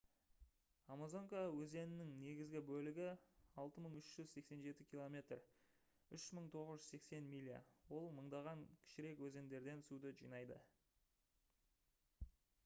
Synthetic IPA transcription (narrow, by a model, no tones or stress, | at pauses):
amazo̞ŋkawɵze̞nɪnɪŋne̞ɡʲɪzɡʲɪbɵlɪɡʲɪɑlˠt̪əməɴʏʃʒ̥ʏzse̞kse̞nʒe̞t̪ɪkʲilˠo̞mʲe̞t̪r | ʏʃməɴt̪ʰo̞ʁəzʒʏzse̞kse̞nmʲilʲija̰wo̞lˠməɴd̪ɑʁɑŋkʲʰɪ̥ʃɪɾe̞kwɵze̞nd̪e̞ɾd̪e̞nsud̪əʒijnɑjd̪ə̰